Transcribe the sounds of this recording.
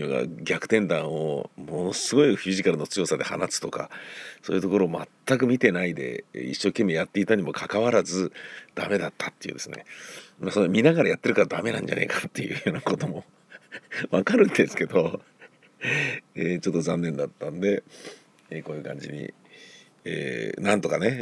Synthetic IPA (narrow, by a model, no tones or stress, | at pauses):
oɡa̰ɡʲakɯ̟̥t̪ẽ̞nd̪ãɰ̃o̞̰mo̞no̞sɨɡo̞iɸʲiʑikaɾɯ̟no̞t͡sɨjo̞sad̪e̞ha̰nasɨ̥t̪o̞ka̰soːjɯ̟t̪o̞ko̞ɾo̞ːmat̪ːak̬ɯ̟mʲit̪e̞naid̪e̞̰ḭɕːo̞ːkẽ̞mːe̞jat̪ːe̞it̪aɲ̟imo̞kʰakaβaɾazɨd̪̥ame̞d̪at̪ːḁt̪ːe̞iɯ̟ːd̪e̞sɨnemasoomʲinaɣaɾajat̪ːe̞ɾɯ̟kaɾad̪ame̞nã̰ɲ̟d͡ʑa̰ne̞̰kḁt̪ːe̞jɯ̟joːnako̞t̪o̞mo̞ | βakaɾɯ̟̃nd̪e̞sɨ̥ke̞d̪o̞ | eːt͡ɕo̞t̪ːo̞zãnːẽ̞nd̪at̪ːãnd̪e̞ | eko̞ːjɯ̟kã̰ɲ̟d͡ʑḭɲ̟ḭ | ḛːnãnt̪o̞kane̞